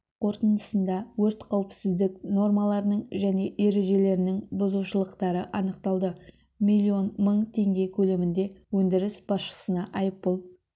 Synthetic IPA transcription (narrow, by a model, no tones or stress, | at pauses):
qʰo̞ɾt̪ənd̪əsənd̪ɑwɵɾt̪qʰɑwəpsɪzd̪ɪkno̞ɾmɑlˠɑɾənəɴʒæne̞ʔe̞ɾe̞ʒe̞le̞ɾɪnɪŋbʊzuʃəlˠəqt̪ɑɾəʔɑnəqt̪ɑlˠd̪ə | milʲːio̞nməɴt̪ʰe̞ŋɡʲe̞kʲʰɵle̞mɪnd̪e̞wɵnd̪ɪɾɪsb̥ɑsʃə̥sənɑʔɑjəpbolˠ